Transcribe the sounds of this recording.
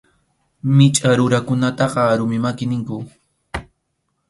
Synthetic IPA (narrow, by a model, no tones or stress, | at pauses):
mɪt͡ʃʼaɾʊɾakʊnat̪ɑqɑːɾʊmɪmakɪnɪŋkʊ